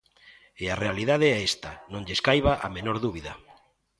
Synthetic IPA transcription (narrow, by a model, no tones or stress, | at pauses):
earealiðaðeɛest̪anõŋʎeskajβaʔa̰menoɾðuβiðɐ